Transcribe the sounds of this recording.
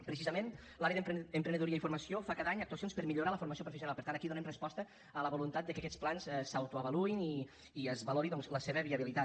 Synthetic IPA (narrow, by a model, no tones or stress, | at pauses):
pɾəs̬izəmenlaɾjəðəəmpɾənd̪ðuɾiəifuɾməsiofakaðaɲəɐk̚t̪uəsionspəɾmiʎuɾaləfuɾməsiopɾufesiunalpəɾt̪ant̪əkiðunɛmrəspɔst̪ə | ələβulunt̪at̪̚d̪əkəkɛt͡splanzɛsawt̪uəβəluiniː | əzβəloɾiðɔŋzləseβəβiəβilit̪a